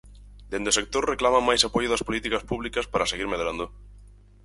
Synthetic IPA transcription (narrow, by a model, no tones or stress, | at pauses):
d̪enosek̚t̪oɾreklamamajsapojʊðɐspolit̪ikɐspuβlikɐspaɾɐseɣiɾmeðɾand̪ʊ